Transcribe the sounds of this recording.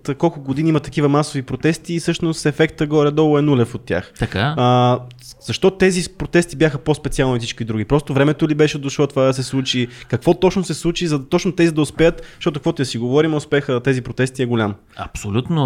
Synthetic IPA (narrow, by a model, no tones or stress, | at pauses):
t̪kɔlˠkʊɡod̪iniimət̪ɐkivɐmasovipɾot̪ɛst̪iːsɤʃnost̪ɛfɛkt̪əɡɔɾʲɛd̪ɔlˠʊɛnulɛfot̪ːʲja̰xt̪ɐkaə | z̥ɐʃt̪ɔt̪ɛzipɾot̪ɛst̪ibʲjaxəpospɛt̪sialˠnoifsit͡ʃkid̪ɾuɡ̟ipɾɔst̪ovɾɛmɛt̪olibɛʃɛd̪ʊʃɔt̪ovad̪ɐs̬ɛslˠut͡ʃikɐkvɔt̪ɔt͡ʃnosɛslˠut͡ʃizɐt̪ɔt͡ʃnot̪ɛzid̪ɐʊspɛət̪t̪ɔt̪ʊkvɔt̪ʊɐsiɡovɔɾimɛʊspɛxət̪ɛzipɾot̪ɛst̪iɛɡolʲam | ɐ̰psolʲut̪no